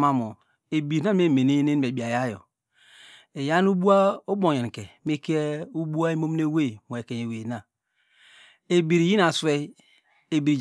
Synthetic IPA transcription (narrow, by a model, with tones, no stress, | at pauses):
ma˨mo˨ | e˨bi˨ɾna˦m˦e˦˨me˨ne˦ne˦n˨m˨e˨bi˨a˨ja˦jo̰˨ | e˨ja˦n˦u˦bu˦a˦o˦bo˨ɲe˨n˨ke˨me˦ke˦u˦bu˦a˦i˦mo˦m˦ne˦we˦˨mo˨e˨ke˨ɲ˨e˨we˨na˨ | e˨bi˨ɾi˨ji˦na˨swe˦ | e˨bi˨ɾi˨d͡ʒ